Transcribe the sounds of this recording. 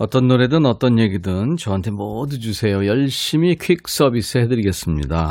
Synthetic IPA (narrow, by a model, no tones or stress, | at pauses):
ʌt͈ʌnːoɾe̞dɯnʌt͈ʌnje̞ɡidɯnt͡ɕʌɦantʰemodud͡ʑusʰe̞jojʌɭɕ͈imikʰɥik̚s͈ʌbisʰɯɦe̞dɯɾiɡe̞s͈ɯmɲḭda